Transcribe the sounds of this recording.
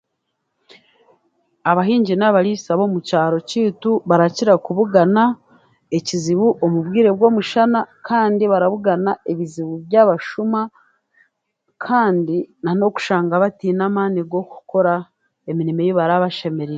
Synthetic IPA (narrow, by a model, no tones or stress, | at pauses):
aβaɦiːɲɟinaβaɾisaβo̞ːmucaːɾo̞ciːtuβaɾaciɾakuβuɡana | eciziβuʔomubɡiːɾe̞bɡo̞ːmuʃanakʰaːndiβaɾaβuɡanaeβiziβuβjaβaʃuma | kʰaːndinano̞ku̥ʃaːŋɡaβatiːnamaːniɡo̞ku̥ko̞ɾa | eminime̞joβaɾaβaʃe̞me̞ɾeɾe